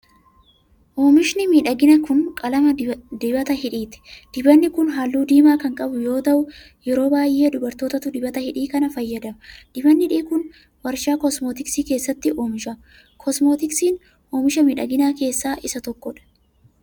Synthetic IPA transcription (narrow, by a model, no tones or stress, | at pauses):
ʔoːmɪʃnɪmiːᶑɐɡɪnɐkʊnkʼɐlɐmɐd̪ɪbɐt̪ɐɦɪᶑiːt̪ɪ̥d̪̥ɪbɐnːɪkʊnɦaːlːuːd̪iːmaːkɐŋkʼɐbʊjo̞ːt̪ɐʔʊ | jɛɾo̞ːbaːjʔe̞ːd̪ʊbɐɾt̪o̞ːt̪ɐt̪ʊd̪ɪbɐt̪ɐhɪᶑiːkɐnɐfɐjːɐd̪ɐmɐd̪ɪbɐnːɪᶑiːkʊn | wɐɾʃaːkɔsmoːt̪ɪksiːke̞ːsːɐt̪ːɪʔoːmɪʃɐ | kʰɔsmoːt̪ɪksiːn | oːmɪʃɐmiːᶑɐɡɪnaːke̞ːsːaːʔɪsɐt̪ɔkːɔᶑɐ̥